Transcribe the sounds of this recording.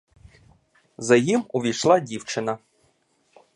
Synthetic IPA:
zɐjimʊʋʲijʃlˠɑdʲiwt͡ʃɪnɐ

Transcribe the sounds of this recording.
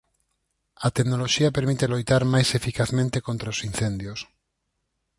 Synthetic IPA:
ɐt̪eknoloʃiɐpeɾmit̪elojt̪aɾmajsefikaθmẽnt̪ekont̪ɾaosin̟θẽnd̪jos

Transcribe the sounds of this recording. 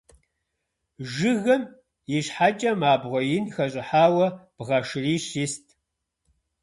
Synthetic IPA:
ʒɨɣɐm | jɪɕħat͡ʃʼɐmaːbʁʷɔjɪnxɐɕʼɪħaːwɐb̥ʁɐʂɨriːɕiːstʰ

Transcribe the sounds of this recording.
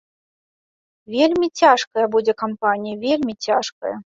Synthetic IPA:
vʲelʲmʲit͡sʲaʂkɐjɐbud͡zʲɛkampanʲijɐvʲelʲmʲit͡sʲaʂkɐ̰jɐ

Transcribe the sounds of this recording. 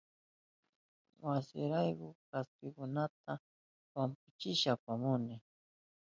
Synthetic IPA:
wasɪ̰ɾajkʊkaskɪkʊnat̪a | wampʊt͡ʃɪʃapamʊnɪ

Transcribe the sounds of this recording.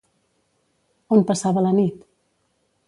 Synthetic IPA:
ompəsaβələnit̪

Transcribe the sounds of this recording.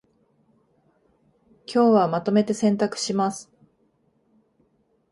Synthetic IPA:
kʲo̞ːβamat̪o̞me̞t̪e̞sẽ̞nt̪akɯ̟̥ɕimasɨ̥

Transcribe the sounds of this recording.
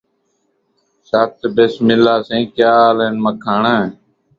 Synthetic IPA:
saːt̪besmɪlaːsẽːkjaːleːnməkʰaːɳə̃ː

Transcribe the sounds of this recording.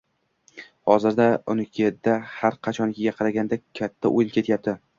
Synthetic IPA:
hɒzɪɾd̪aʊnɪkʰʲed̪ahaɾqʰɑt͡ʃʰɒnkʲʰɪɡʲaqʰɑɾaɡʲand̪akʲʰːat̪ʰːa̰ʔojɪlkʲʰe̞t̪ʰjap̚t̪ʰɪ

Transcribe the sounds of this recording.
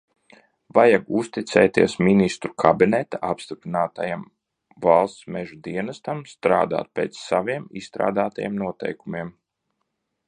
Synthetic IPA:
vajaɡust̪it̪sɛːjt̪iɛsminist̪ɾukʰabinɛt̪aapst̪ipɾinaːt̪ajam | valˠst̪smɛʒud̪iɛnast̪amst̪ɾa̰ːd̪a̰ːt̪̚pʲɛːt̪ssaviɛmḭsst̪ɾa̰ːd̪aːt̪ajḛmnuɔt̪ɛ̰jkumiɛm

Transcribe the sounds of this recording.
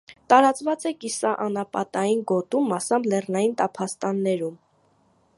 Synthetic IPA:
t̪ɑɾɑt͡svɑt͡sɛkisɑʔɑnɑpɑ̰t̪ɑjinɡɔt̪umɑsɑmblɛrnɑjint̪ɑpʰɑst̪ɑnːɛɾum

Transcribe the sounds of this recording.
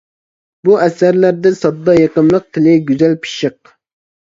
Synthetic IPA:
buʔɛsæɾlæɾd̪ɪsɑd̪ːɑjɑqəmlˠəq̚t̪ʰɪlɪɡʲyzælpʰi̥ʃɨq̚

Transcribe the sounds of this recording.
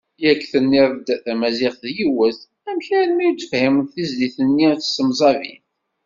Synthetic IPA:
jækːθənːiðˤd̪θæmæzɪʁθðjiwəθ | æmçæɾnmijut͡sːəfhimnθizliθənːiθsəmzˤɑvḭn

